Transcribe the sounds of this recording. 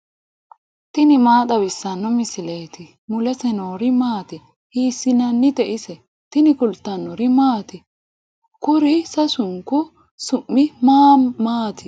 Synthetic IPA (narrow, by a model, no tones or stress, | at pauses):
t̪ɪnɪmaːt̪ɐbɪsːɐnːɔmɪsɪleːt̪ɪ | mʊlɛsɛnoːɾɪmaːt̪ɪ | hiːsːɪnɐnːɪd̪ɛʔɪsɛ | t̪ɪnɪkʊlt̪ːɐnːɔɾɪmaːt̪ɪ | kʊɾɪsɐsʊŋkʊ | sʊmːɪmaːmaːt̪ɪ